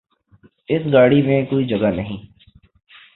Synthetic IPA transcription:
ɪsɡaːɽimẽkoːid͡ʒɐɡanəɦĩː

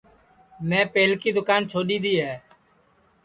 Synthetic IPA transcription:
mɛ̃ːpeːlkiːd̪ʊkaːnt͡ʃʰoːɗiːd̪iːɦɛː

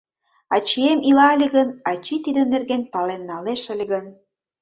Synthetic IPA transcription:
ɑt͡ɕiemilɑlʲiɣənɑt͡ɕit̪id̪ə̆nerɡenpɑlenːɑleʃə̆lʲeɣən

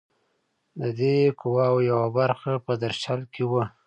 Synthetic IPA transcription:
d̪əd̪ekʊwɑwjawabaɾxapəd̪aɾʃalkewə

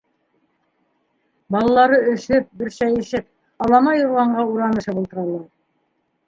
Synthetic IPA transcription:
bɑlˠɑlˠɑɾɤɵ̆ʃɵp̚bɘ̆ɾʃæjɘ̆ʃɘp̚ | ɑlˠɑmɑjŭɾlˠɑɴɢɑuɾɑnɤ̆ʃɤpulˠt̪ɤ̆ɾɑlˠɑɾ

